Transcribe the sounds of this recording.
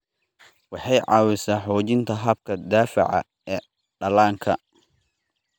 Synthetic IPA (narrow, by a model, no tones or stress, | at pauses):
wɑħɑjʕɑːwɪsaːħɔːt͡ʃɪnt̪ʰɐɦɐb̚kʰɐd̪aːfɪ̰ʕɑ̰ | ɛː | ɖɐlaːŋkʰɐ